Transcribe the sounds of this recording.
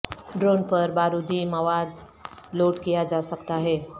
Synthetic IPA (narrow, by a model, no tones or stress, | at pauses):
ɖɾoːnpɐɾbaːɾud̪imɐʋaːd̪ | loːʈkijad͡ʒaːsɐkt̪aɦɛː